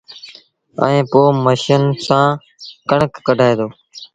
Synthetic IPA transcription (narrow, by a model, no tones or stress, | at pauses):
ə̰̃ẽːpoːməʃənsãː | kəɳəkːəɖʱaːeːd̪oː